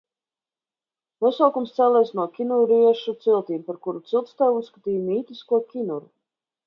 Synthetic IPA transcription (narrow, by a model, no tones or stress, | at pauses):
nuɔsawkumst̪sæːlˠɛːsnuɔkʲinuɾiɛʃut̪silˠt̪iːmpaɾkuɾut̪silˠt̪st̪æːvusːkḁt̪iːjmiːt̪ʲiskuɔkʲinuɾu